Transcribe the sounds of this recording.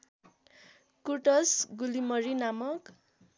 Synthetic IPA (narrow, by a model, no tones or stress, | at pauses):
kuʈʌsɡulimʌɾinamʌk